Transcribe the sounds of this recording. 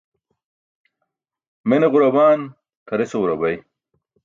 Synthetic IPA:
meneʁuɾɐbaːn | k̪ʰɐɾeseuɾɐbɐj

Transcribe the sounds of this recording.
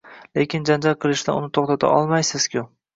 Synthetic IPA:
lekʲɪnd͡ʒand͡ʒalqʰɨlˠɪʃd̪a̰ʊnɪt̪ʰoχt̪at̪ʰa̰ʔɒ̰lˠmajsɪz̥kʲʰʊ

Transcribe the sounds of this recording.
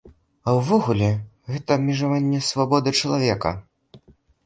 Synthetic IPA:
awvɔɣulʲɛ | ɣɛt̪ɐmʲɛʐavanʲːɛsvabɔd̪ɨt͡ʂɐlˠavʲɛkɐ̰

